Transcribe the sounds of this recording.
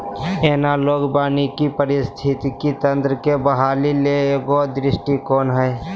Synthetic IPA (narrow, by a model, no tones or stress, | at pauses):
eːnaloːɡbaːnikipəɾɪst̪ʰɪt̪ikit̪ə̃nt̪ɾəkebəɦaːlileeːɡod̪ɾɪsʈikɔːnɦɛː